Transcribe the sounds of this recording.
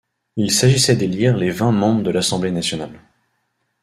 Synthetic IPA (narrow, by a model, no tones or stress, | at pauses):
ilsaʒisɛd̪eliʁlevɛ̃mɑ̃bʁəd̪əlasɑ̃blenasjɔnal